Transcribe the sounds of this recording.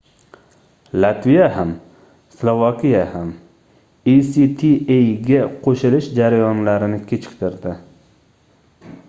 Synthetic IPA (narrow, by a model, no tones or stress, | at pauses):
lat̪vijaham | slˠovakʲijaham | isit̪ʰiejɡʲaqʰoʃɪlɪʃd͡ʒaɾajɒnlaɾɪnɪkʲʰet͡ʃʰɪ̥qt̪ʰɪɾd̪ɪ